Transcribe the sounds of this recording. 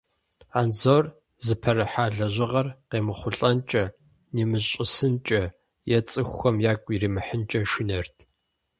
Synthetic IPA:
aːnzoːr | zɨpʰɐrɨħaːɮɐʑɪʁɐrqeːmɨχʷʊɬʼɐnt͡ʃʼɐ | neːmɨɕʼɪsɨnt͡ʃʼɐ | jɛt͡sʼɨxʷːɐmjaːkʷʼiriːmɨħənt͡ʃʼɐʃɪnɐrtʰ

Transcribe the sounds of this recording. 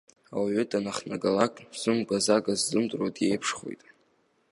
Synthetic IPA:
a̰waɥʏdʼanaχnaɡalakʼz̥ɨmɡʷazaɡazdɨmtʼrotʼjejpʰʂχo̰jtʼ

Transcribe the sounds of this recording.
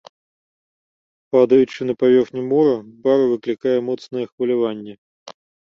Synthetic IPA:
pad̪əjʉt͡ɕːɪnəpɐvʲerxnʲɪmoɾəbaɾɐvɨklʲɪkajəmot̪snəjəxvəlʲɪvanʲːjə

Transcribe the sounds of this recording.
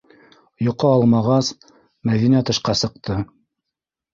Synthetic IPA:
joqɤɑlˠmɑʁɑs | mæðinæt̪ɤ̆ʃqɑsɤ̆q̚t̪ʰɤ

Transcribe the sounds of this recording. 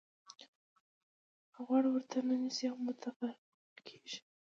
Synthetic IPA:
ɣwɑɽwəɾt̪ʰanənisiawmʊt̪ʰafa | lkʰe̥ʒ̥i̥

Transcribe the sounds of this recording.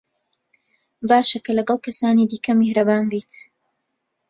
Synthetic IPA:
baːʃɐkɐlɐɡɑlˠkɐsaːniːd̪iːkʰɐmihɾɐbaːnbiːt̪

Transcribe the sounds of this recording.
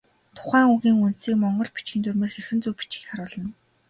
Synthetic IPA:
t̪ʰʊ̥χæːŋuɣiːŋun̥t̪siːkmɔɴɢɞ̆ɮpit͡ɕɡʲiːnt̪ʰɵrmĕːrxerxɘ̆nt͡suwpi̥t͡ɕɡiːkχaɾʊːɮə̆n

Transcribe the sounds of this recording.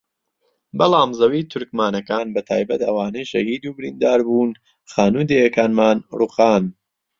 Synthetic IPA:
bɐlaːmzɐwiːt̪ʰʊɾkmaːnɐkaːnbɐt̪ʰa̰ːjbɐt̪ɐwaːnɐjʃɐhiːd̪uːbɪɾḭːnd̪aːɾbuːn | χaːnuːd̪ejɐkaːnmaːnruqaːn

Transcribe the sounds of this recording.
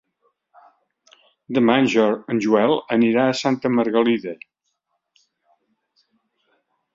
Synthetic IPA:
d̪əmanʲʒəɾənʒuɛlˠəniɾaəsant̪əməɾɣəliðe

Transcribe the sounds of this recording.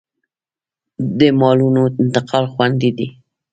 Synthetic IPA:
d̪əmɑlunoɪnt̪ɪqʰɑlxwand̪id̪i

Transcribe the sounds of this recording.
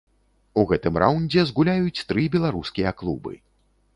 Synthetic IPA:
uɣɛt̪ɨmɾʔawnʲd͡zʲɛzɣulʲajut͡sʲt̪ɾɨbʲɛlˠaɾuskʲijɐklˠubɨ̰

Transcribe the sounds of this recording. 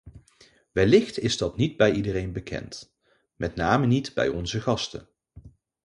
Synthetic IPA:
ʋɛlɪχtɪzdɑtnid̚bɛjidərejnbəkʰɛ̰nt | mɛtnaːmənitbɛ̰jɔnzəχɑstə̰n

